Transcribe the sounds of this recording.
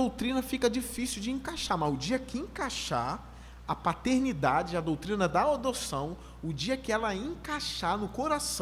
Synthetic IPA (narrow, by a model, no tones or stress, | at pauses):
d̪owt̪ɾĩnɐfikɐd͡ʒifisiwd͡ʒɪẽkaʃaɾmɐzʊd͡ʒiɐkɪẽkaʃa̰ɾ | ɐpat̪eɾnid̪ad͡ʒɪɐd̪owt̪ɾĩnɐd̪ɐod̪osɐ̃w̃ | ʊd͡ʒiɐkɪɛlɐẽkaʃanʊkoɾasɐ̃